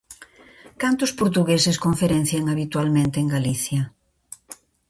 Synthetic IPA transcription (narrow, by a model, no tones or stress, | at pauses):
kant̪ʊspoɾt̪uɣesɪskoɱfeɾen̟θjeŋaβit̪ualmẽnt̪eeŋɡaliθjɐ